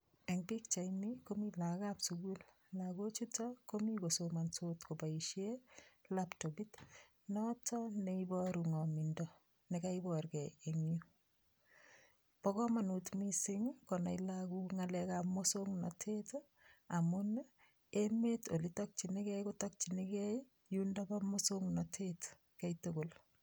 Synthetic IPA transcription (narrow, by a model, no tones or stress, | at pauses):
ɛŋbik̚t͡ʃajmikomilakapsuɡul | laɡot͡ʃitɔkomikosomansotkobaiʃjelaptobit | nɔtʰɔneibɔɾuŋɔmindɔ | nekaibɔrɡɛeŋju | pɔkɔmanutmisɪŋkɔnailakuŋalɛkamosoŋnɔ̰tʰet | amʊn | emetolitɔk̚t͡ʃinikɛkotɔk̚t͡ʃinikɛj | jundabamosoŋnɔtʰet | kɛjtuɡol